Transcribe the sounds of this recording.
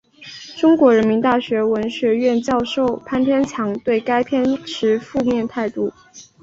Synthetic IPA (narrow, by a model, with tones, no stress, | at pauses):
ʈ͡ʂʊ˥ŋkwɔ˧˥ɻə˧˥nmi˧˥nt̪a˥˩ɕɥɛ˧˥wə˧˥nɕɥɛ˧˥ɥɛ˥˧nt͡ɕjɑ˥˧ʊʂo˥˩ʊpʰa˥np̪ʰjɛ˥nt͡ɕʰjɑ˧˥ŋt̪we˥˩ɪka˥ɪpʰjɛ˥˩nʈ͡ʂʰɻ̩˧˥fu˥˧mjɛ˥˧nt̪ʰa˥˧ɪt̪u˥˩